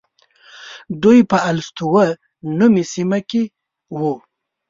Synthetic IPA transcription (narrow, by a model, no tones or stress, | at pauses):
d̪ujpəalst̪uwə | numisimake | wu